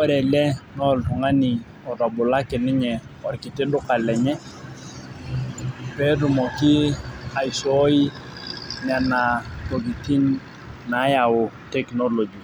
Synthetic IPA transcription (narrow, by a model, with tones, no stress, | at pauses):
ɔ˦ɾɛ˨lɛ˦nɔ˦˨ltʊ˨ŋa˦ni˨ | ɔ˨dɔ˨bʊ˨la˦kɛ˨nɪ˦ɲɛ˨ɔ˨ɾkɪ˨tɪ˦dʊ˦ka˨lɛ˨ɲɛ˦ | pɛ˦tu˨mɔ˨kɪ˦a˨i˨sɔ˦i˦ | na˨na˨to˨ɡi˨ti˦n | na˨˦ja˨ʊ˨tɛ˦kno˦lo˨d͡ʒi˨